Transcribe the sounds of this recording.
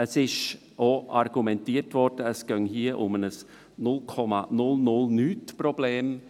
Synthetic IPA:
əsɪʃ | oːarɡumɛntiːətvɔrdəəsɡ̥œŋhiːəʔʊ̰mənəs | nʊlkʰɔma̰nʊlnʊlnyːtpɾobleːm

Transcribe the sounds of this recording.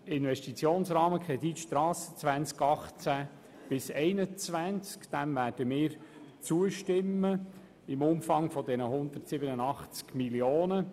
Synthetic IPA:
ɪnʋɛʃtit͡sjoːnsrɑːməkɾɛdit̪ʃtɾɑːsə̥t͡sʋænt͡skɑχt͡sæ | b̥ɪsɛɪnət͡sʋænt͡skd̪̥ɛmvæːrdəmɪːɾ | t͡suəʃtɪmːə | ɪmʊmfɑŋfɔdɛnəɦʊnd̪ərtsɪbənənɑχt͡skmiljoːnə

